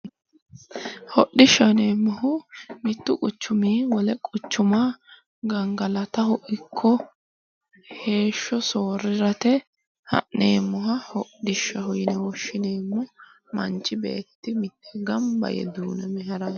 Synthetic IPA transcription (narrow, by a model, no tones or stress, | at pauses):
hɔɗɪʃːɐneːmːʊhʊmɪt̪ːʊkʼʊt͡ʃːʊmiːwɔlɛkʼʊt͡ʃːʊma | ɡɐŋɡɐlɐt̪ɐhʊʔɪkʰːɔ | he̞ːʃːɔso̞ːɾɪɾɐt̪ɛ | hɐ̰ʔneːmːʊɦɐhɔɗɪʃːɐɦʊjɪnɛwɔʃːɪneːmːʊ | mɐ̰nt͡ʃʼːɪbḛːt̪ːɪmɪt̪ːɛ̥ɡɐmbɐ̰jɛ̰d̪uːnɛmɛɦɛɾɐ